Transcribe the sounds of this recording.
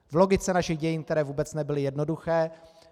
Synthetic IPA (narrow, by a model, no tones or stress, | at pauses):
vlo̞ɡɪt͡sɛnaʃɪɣɟɛjɪːnkt̪ɛɾɛːvuːbɛt͡snɛbɪlɪjɛdno̞duxɛː